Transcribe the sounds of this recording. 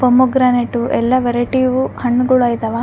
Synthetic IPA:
pɐmuɡɾaneʈːuʔɛlːɐʋeɾɐʈiʋuhɐɳːɡuɭaːjt̪ɐʋa

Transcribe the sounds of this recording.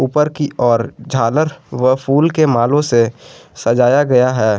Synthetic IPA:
uːpəɾkiɔːɾd͡ʒʱaːləɾʋəpʰuːlkemaːlõsesɐd͡ʒaːjaɡɐjaɦɛː

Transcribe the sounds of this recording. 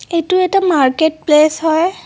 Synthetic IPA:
etʊɛtamaɹket̚plesɦɔj

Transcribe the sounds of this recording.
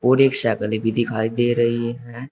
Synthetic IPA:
oɾeksakəlebid̪ʱikʰaid̪eɾəɦiɦɛ̃

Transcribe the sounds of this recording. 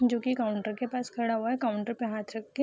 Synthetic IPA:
d͡ʒoːkikaːʊɳʈəɾkepaːskʰɐɽaɦuaɦɛkaːʊ̃ɳʈəɾpeɦaːt̪ʰɾɐk̪̚ːe

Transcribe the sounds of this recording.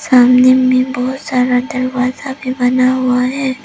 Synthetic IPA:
saːmnemẽbɔɦt̪saːɾad̪ɐɾʋaːzabʱibɐnaɦʊaɦɛː

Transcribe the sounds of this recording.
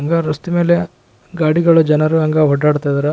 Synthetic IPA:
ɐŋɡɐɾust̪ume̞ːle | ɡaːɽiɡɐɭud͡ʒɐnɐɾuɐŋɡɐɦɔɖːaːɽt̪aːjd̪ɐɾɐ

